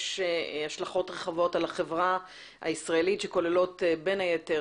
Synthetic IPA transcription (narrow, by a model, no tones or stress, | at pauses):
ʃhaʃlaχo̞tʁeχavo̞talaχevʁa | a̰isʁaelitʃeko̞lelo̞tbenajete